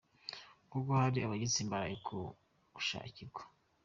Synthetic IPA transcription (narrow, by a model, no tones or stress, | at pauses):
ŋ̥uɡohaɾiaβaɟit͡siːmbaɾaekʰo | uʃa̰iciɾɡwḁ